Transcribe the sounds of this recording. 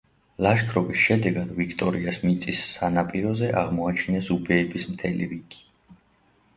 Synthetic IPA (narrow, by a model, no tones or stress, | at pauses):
laʃkʰɾɔbisʃɛd̪ɛɡad̪vikʰt̪ʼɔɾiasmit̪sʼisːanapʼiɾɔzɛʔaʁmɔat͡ʃʰinɛsubɛːbismt̪ʰɛlḭɾikʰi̥